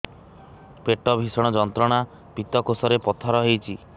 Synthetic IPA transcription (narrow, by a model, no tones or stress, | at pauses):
peʈɔbʱisɔɽ̃ɔd͡ʒɔnt̪ɾɔɽ̃a | pit̪ɔkosɔɾepɔt̪ʰɔɾɔɦejt͡ʃʰi